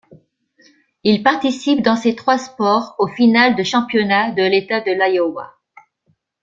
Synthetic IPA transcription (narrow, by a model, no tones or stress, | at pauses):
ilpaʁt̪isip̚d̪ɑ̃set̪χwaspɔʁofinald̪əʃɑ̃pjɔnad̪əlet̪ad̪əlajɔwa̰